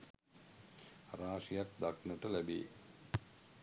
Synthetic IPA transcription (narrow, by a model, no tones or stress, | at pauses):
raːʂijak̚d̪aknəʈəlæbḛː